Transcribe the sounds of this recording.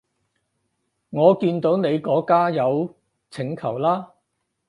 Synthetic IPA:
ŋɔː˨˧kiː˧nt̪o˨˥wne˨˧jkɔː˨˥kaː˥jɐ˨˧w | t͡sʰɪ˨˩ŋkʰɐ˨˩wlaː˥

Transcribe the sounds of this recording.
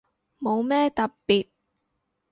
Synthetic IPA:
mo˨˧wmɛː˥t̪ɐ˨ppiː˨t̚

